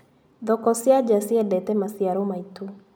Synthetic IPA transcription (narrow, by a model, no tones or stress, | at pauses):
ðɔkɔsiad͡ʒasiɛdɛtɛmasiaɾɔmaitu